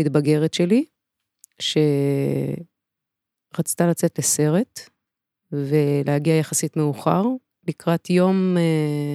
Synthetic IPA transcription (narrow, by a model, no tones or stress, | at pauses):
itbaɡe̞ʁetʃe̞li | ʃe̞ | ʁat͡stalat͡se̞tlese̞ʁe̞t | ve̞lehaɡiajaχasitme̞uχaʁ | likʁatjo̞me